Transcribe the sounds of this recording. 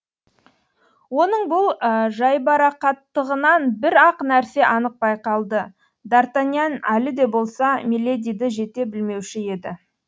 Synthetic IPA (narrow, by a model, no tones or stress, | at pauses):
wo̞nəɴbʊlˠʒɑjbɑɾɑqɑt̪ːəʁənɑnbɪɾɑqnæɾse̞ʔɑnəq̚bɑjqɑlˠd̪ə | d̪aɾt̪anjanælɪd̪e̞bo̞lˠsɑmʲelʲːed̪ʲijd̪ɪʒe̞t̪e̞bɪlme̞wʃɪe̞d̪ɪ